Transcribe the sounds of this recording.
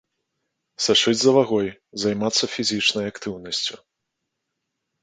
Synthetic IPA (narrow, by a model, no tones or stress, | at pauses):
saʂɨd͡zʲzɐvaɣɔjzajmat̪sːɐfʲizʲit͡ʂnɐjakt̪ɨwnɐsʲt͡sʲu